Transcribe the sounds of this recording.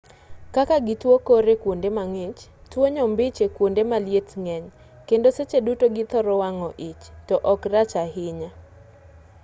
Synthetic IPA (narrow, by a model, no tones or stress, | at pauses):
kakaɡɪtwokoɾekwondemaŋɪt͡ʃtwoɲɔmbɪt͡ʃekwondemaljetŋɛɲ | kendoset͡ʃedutoɡɪt̪ɔɾɔwaŋɔʔit͡ʃtɔʔɔkrat͡ʃahɪɲa